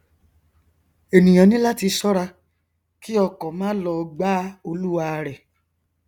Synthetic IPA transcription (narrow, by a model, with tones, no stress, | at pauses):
e˨nĩ˨j̃ã˨˦nĩ˦la˦ti˧sɔ˦ɾa˧ | ki˦ɔ˧kɔ̃˨mãː˦lɔ˧ɡ͡ba˦o˧lu˦a˧ɾɛ˨